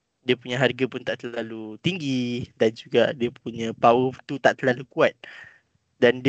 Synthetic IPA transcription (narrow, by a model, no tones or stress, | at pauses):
diəpuɲaɦarɡapʊnt̪aʔt̪əlalut̪iŋɡidand͡ʒuɡadiəpuɲə̃pawət̪ut̪aʔt̪əlalukuat̪̚ | dand